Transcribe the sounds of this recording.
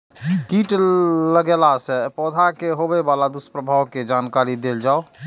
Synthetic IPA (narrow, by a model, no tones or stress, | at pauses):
kiʈləɡelasepɔd̪ʱakeɦobebalad̪uspɾəbʱawked͡ʒankaɾid̪eld͡ʒao